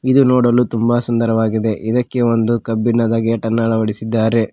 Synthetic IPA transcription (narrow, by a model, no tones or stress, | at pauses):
id̪unoːɽɐlːut̪umbɐsɐnd̪ɐɾɐʋaːɡid̪e̞ʔid̪ɐkːe̞o̞nd̪ukɐbːinːɐd̪ɐɡeːʈɐnːɐɭɐʋɐɽisid̪ːaːɾe̞